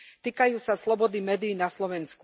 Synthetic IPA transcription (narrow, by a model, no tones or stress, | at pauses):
t̪iːkajuːsaslɔbɔd̪imɛːd̪iːnaslɔʋɛnsku